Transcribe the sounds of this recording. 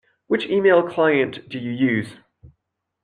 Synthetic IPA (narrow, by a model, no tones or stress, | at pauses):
wɪt͡ʃiːmeɪlˠkʰl̥aɪə̃nd̥əjəjʉːz̥